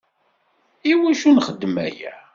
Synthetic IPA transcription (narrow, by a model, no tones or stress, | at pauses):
iwæʃunχəd̪ːmæ̰jæ̰